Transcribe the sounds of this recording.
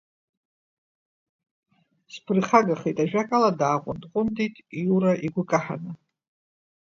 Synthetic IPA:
spʰɨrχaɡaχejtʼaʒᶣakʼaladaːʁʷʼʊndʼqʷʼʊnditʼiuɾaʔiɡʷʊkʼaħa̰nɨ

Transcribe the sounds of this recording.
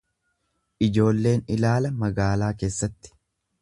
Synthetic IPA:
ʔɪd͡ʒo̞ːlːe̞ːnɪlaːlɐmɐɡaːlaːke̞ːsːɐt̪ːɪ̥

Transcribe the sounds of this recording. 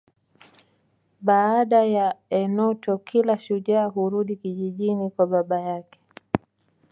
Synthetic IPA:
ɓaaɗajaɛnɔtɔkʰilaʃuʄaːɦuɾuɗikiʄiʄinikwaɓaɓajakɛ̥

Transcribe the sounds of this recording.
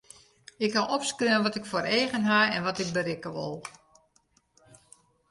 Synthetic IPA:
ɪkhaʔɔpskrɪənʋɔtɪkfoːɾeːɣənɦaɛnʋɔtɪk̚bəɾɪkəʋo̰lˠ

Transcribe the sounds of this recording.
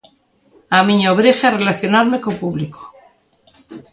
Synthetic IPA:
amĩɲoβɾexearelaθjo̞naɾmekopuβliko̥

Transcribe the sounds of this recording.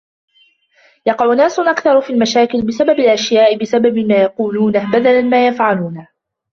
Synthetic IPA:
jɑqɑʕʊnːaːsʊnʔakθɑɾˤfiːlmaʃaːkɪlbɪsababɪlʔaʃjaːʔɪbɪsababɪmaːjɑquːluːnahbad̪alanmaːjafʕaluːnah

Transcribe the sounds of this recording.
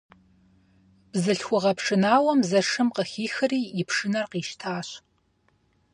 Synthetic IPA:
b̥zɨɬxʷʊʁɐpʂɨnaːwɐmzɐʂɨmqəxiːxɨriːjɪpʰʂɨnɐrqiːʃtʰaːɕ

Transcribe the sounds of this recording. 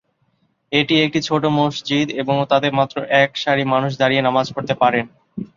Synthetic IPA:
eʈiek̚ʈit͡ɕʰoʈomoʃd͡ʑid̪eboŋt̪ad̪eɾmat̪ːɾoʔɛkʃaɾimanuʃ̬d̪aɾijenamad͡ʑkoɾt̪epaɾen

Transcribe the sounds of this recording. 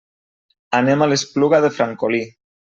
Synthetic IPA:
anemalespluɣaðefɾaŋkoli

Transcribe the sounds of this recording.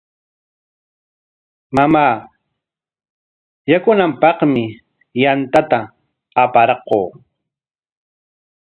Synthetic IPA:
mamaː | jakʊnampɑχmɪ | jant̪at̪a | apaɾɑqoː

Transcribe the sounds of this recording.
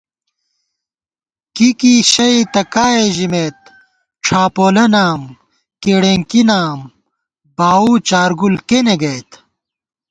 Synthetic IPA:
kikiɕɐit̪ɐkaːeʑimeːt̪̚ | ʈ͡ʂʰaːpoːlɐnaːm | keːɽeŋkinaːm | baːut͡ɕaːɾɡulkeneɡɐjt̪

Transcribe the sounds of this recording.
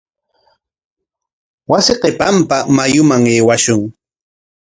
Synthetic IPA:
wasɪqepampamajʊmaŋeːwaʃʊŋ

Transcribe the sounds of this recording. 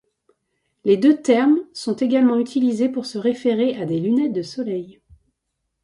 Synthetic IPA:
led̪øt̪ɛʁmsɔ̃t̪eɡalmɑ̃yt̪ʰilizepuʁsəʁefeʁead̪elynɛt̪̚d̪əsɔlɛj

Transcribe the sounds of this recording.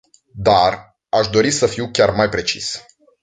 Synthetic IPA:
d̪ar | aʃd̪o̞ɾisəfiwkʲarmajpɾe̞t͡ʃḭs

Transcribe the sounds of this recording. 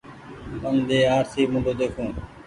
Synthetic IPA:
bənd̪eːaːɾsiːmʊ̃ːɳɖoːd̪eːkʰũː

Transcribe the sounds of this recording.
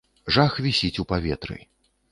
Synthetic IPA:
ʐaxvʲisʲit͡sʲupavʲɛt̪ɾɨ̰

